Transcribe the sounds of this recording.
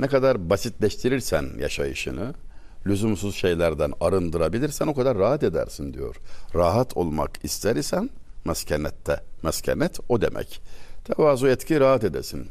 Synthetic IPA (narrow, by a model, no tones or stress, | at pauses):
nɛkad̪aɾbasit̪ʰlʲɛʃt̪ʰiɾiɾsænja̰ʃajɯʃɯ̰nɯ | lʲyzymsuzʃe̞jlʲæɾd̪ænaɾɯnd̪ɯɾabilʲiɾsæno̞kad̪aɾːaɦat̪ed̪æ̰ɾsind̪ijo̞̰ɾ̥ɾaɦat̪ʰolˠma̰kʰist̪ʰæɾisænmɛscʰanɛt̪ʰːɛmɛscʰanɛt̪ʰod̪ḛmʔɛ̰ct̪ʰɛvaːzuɛt̪cʰiɾaɦat̪ed̪ɛ̰sin